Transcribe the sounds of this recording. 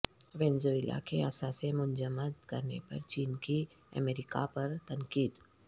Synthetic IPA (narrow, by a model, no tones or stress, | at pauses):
ʋɛ̃ːnzoːɪla̰keaːsasemʊ̃nd͡ʒəməd̪kɐɾnḛpɐ̰ɾt͡ʃiːnkiə̰meːɾɪka̰pɐɾt̪ɐŋkiːd̪